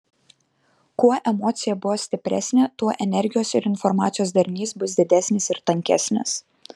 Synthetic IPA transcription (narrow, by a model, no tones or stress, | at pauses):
kuɔʔɛmɔːt̪sʲɪjɛbʊʋoːsʲt̪ʲɪpʲɾʲæ̰ːsʲnʲet̪uɔʔɛnʲɛɾʲɡʲɪjoːsɪɾɪnfɔɾmɑːt̪sʲɪjoːsd̪ɐɾʲnʲiːsbʊsd̪ʲɪd̪ʲæsʲnʲɪsɪɾt̪ɐŋʲkʲɛ̰sʲnʲɪ̰s